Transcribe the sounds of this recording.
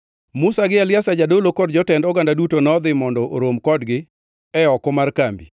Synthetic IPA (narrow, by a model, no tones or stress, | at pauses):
musaɡɪalɪasad͡ʒadolokɔdd͡ʒɔtɛndɔɡandadutonɔd̪ɪmɔndɔʔo̰ɾomkɔdɡɪ | ɛɔkɔmarkambi